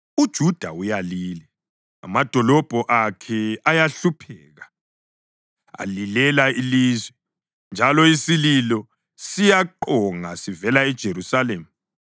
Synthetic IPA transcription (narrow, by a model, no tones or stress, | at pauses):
ud̥ʒ̥ʱud̥ʱaujaliːlɛ | a̰mad̥ʱɔlɔb̥ʱɔʔakʰɛajaɬupʰɛːɣa | a̰lilɛlailiːzwɛ | nd͡ʒʱalɔisililɔ | sijaǃɔŋasivɛlaɛd̥ʒ̥ʱerusaleːmu